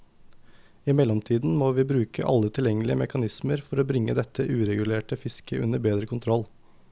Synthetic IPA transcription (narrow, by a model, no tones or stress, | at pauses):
ɪmɛlːɔmt̪ʰiːd̪n̩moːʋiːbɾʉːkə̰ʔɑ̰lːət̪ʰɪljɛŋəlɪəmɛkɑnɪsməɾfɔɾoːbɾɪŋːəd̪ɛt̪ʰːəʔʉːɾɛɡʉleːʈəfɪskəʔʉ̰nəɾbeːd̪ɾəkʰʊnt̪ʰɾɔl